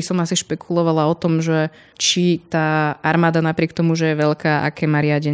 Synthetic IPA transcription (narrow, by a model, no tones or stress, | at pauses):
isɔmasiʃpɛkʰulɔʋalaɔt̪ɔmʒɛ | t͡ʃit̪aːaɾmaːd̪anapɾɪɛkt̪ɔmuʒɛjɛʋɛʎkaːʔa̰kɛːmaːɾɪaɟɛ